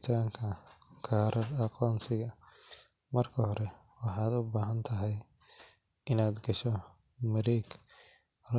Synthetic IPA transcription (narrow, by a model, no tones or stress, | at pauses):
t̪ʰaːŋkʰɐkʰaːɾɐrɐqɔːnsɪɣɐ | mɐrkʰɐhɔɾɛ | wɑħaːd̪ʊbaːɦɐnt̪ʰɐɦɛj | ɪnaːd̪ɡɐʃɔ | mɐɾiːɡ | ɐ